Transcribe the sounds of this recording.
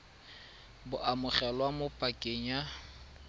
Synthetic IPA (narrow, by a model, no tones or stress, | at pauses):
bʊʔamʊχɛlwamʊpʼakʼɪɲa